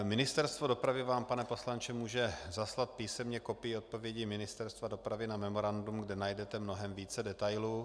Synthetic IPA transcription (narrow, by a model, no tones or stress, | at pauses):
mɪnɪst̪ɛɾst̪vodo̞pɾavɪvaːmpanɛpo̞slant͡ʃɛmuːʒɛzaslat̪̚piːsɛmɲɛko̞pɪjɪot̪̚po̞vjɛɟimɪnɪst̪ɛɾst̪vado̞pɾavɪnamɛmo̞ɾandumɡdɛnajdɛt̪ɛmno̞ɦɛmviːt͡sɛdɛt̪ajluː